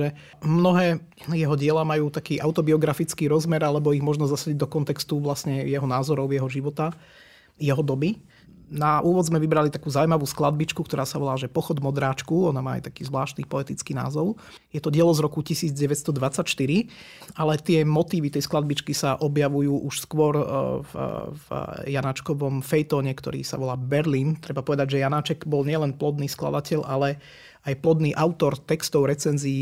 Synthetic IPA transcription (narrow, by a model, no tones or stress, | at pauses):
ʒɛ | mnɔɦɛː | jɛɦɔɟɪɛlamajuːt̪akiːʔaʊt̪ɔbiɔɡɾafit͡skiːɾɔzmɛɾalɛbɔiɣmʊɔʒnɔzasaɟiɟd̪ɔkɔnt̪ɛkst̪uʋlasɲɛjɛɦɔnaːzɔɾɔʊjɛɦɔʒiʋɔt̪a | jɛɦɔd̪ɔbi | naʔuːʋɔd̪zmɛʋibɾalit̪akuːzaujmaʋuːsklad̪̚bit͡ʃkuk̚t̪ɔɾaːsaʋɔlaːʒɛpɔxɔd̪mɔd̪ɾaːt͡ʃkuɔnamaːa̰jt̪akiːzʋlaːʃtniːpɔɛt̪it͡skiːna̰ːzɔʊ | jɛt̪ɔɟɪɛlɔzɾɔkucisiːd͡zɟɛʋɛt̪st̪ɔd̪ʋat͡sacʃt̪iɾialɛt̪ɪɛmɔt̪iːʋit̪ɛjsklad̪̚bit͡ʃkisaʔɔbjaʋujuːʔuʃskʋɔɾvvjanat͡ʃkɔʋɔmfɛjt̪ɔːɲɛkt̪ɔ̰ɾḭːsa̰ʋɔlaːbɛɾliːnt̪ɾɛbapɔʋɛd̪aɟʒɛjanaːt͡ʃɛɡbɔlɲɪɛlɛnplɔd̪niːskla̰d̪acɛʎʔalɛ | ajplɔd̪niːʔaʊt̪ɔɾt̪ɛkst̪ɔʊɾɛt͡sɛnziː